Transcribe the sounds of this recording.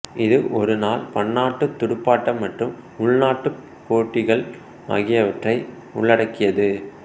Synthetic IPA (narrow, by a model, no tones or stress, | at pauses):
ɪðɯʔɔɾɯnaːlpɐɳːaːʈːɯt̪ːʊɽɯpːaːʈːɐmːɐʈrɯm | ʊɭnaːʈːɯ | pːoːʈːɪɣɐɭ | ɐ̰ɣɪjɐʋɐʈrɐɪ | ʊ̰ɭːɐɽɐkːɪjɐðɯ